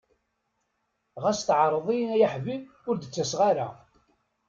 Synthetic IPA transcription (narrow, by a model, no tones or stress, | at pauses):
ʁæst̪ʕɾˤəðˤijnæjaħvið | ʊɾd̪ət͡sːæsʁaɾa